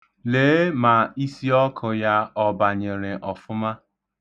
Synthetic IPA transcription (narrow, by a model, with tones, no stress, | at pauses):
leː˨˦ma˨i˦si˦ɔ˦kʰʊ˨ja˦ɔ˦ba˨ɲe˨ɾɪ˨ʔɔ˨fʊ˦ma˦